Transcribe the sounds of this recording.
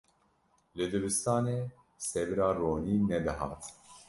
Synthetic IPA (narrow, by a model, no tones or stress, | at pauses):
lɨd̪ɨbɨst̪ɑːneː | sɛvɨɾɑːroːniːnɛd̪ɨɦɑ̰ːt̪